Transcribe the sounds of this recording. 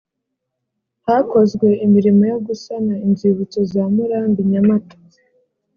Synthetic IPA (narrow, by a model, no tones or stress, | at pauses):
hako̞zɡwe̞imiɾimojo̞ɡusanaimziβut͡sozamuɾandiɲamato̥ | e̥